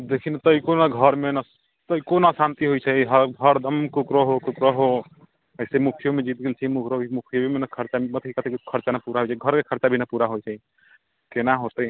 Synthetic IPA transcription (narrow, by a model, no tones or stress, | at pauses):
d̪ekʰint̪əikonaɡʱəɾmenə | t̪əikonasant̪iɦojt͡ʃʰəjɦəɡʱəɾd̪ʱəmkukɾəɦokukɾəɦo | əsemukʰijomed͡ʒit̪ɡelt͡ʃʰimukɾobimukʰijobʱimenəkʰəɾt͡ʃaebət̪ʰikkət̪ʰekkʰəɾt͡ʃanapuɾaɦojt͡ʃʰɛɡʱəɾkekʰəɾt͡ʃabʱinapuɾaɦojt͡ʃʰəj | kenaɦot̪əj